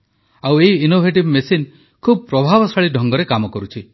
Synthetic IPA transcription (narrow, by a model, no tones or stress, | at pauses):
aweɦiinobʱeʈibmesin | kʰub̚pɾɔbʱabɔsaɭiɖʱɔŋɡɔɾekamɔkɔɾut͡ʃʰi